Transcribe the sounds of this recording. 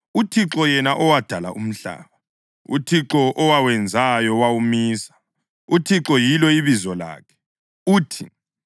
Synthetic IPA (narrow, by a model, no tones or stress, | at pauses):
utʰiǁɔjɛnaʔɔwad̥ʱala̰ʔum̩ɬa̰ːβa | ṵtʰiǁɔʔːwawɛnd͡zʱajɔwawumiːsḁ | utʰiǁɔjilɔiβizɔla̰ːkʰɛ̥ | uːtʰi